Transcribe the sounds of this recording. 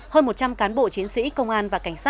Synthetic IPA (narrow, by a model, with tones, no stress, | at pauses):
həː˧nmo˨˩t̚t͡ɕa˧mkaː˨˦nɓo̰˧˨t͡ɕi˨˦ənsḭ˧˥kə˧wŋ͡mʔaː˧nvaː˨˩ka˧˩jŋ̟saː˦˥